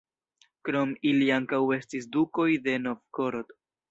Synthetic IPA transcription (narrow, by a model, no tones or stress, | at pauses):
kɾo̞miliaŋkawe̞stis̬duko̞jde̞novkoɾot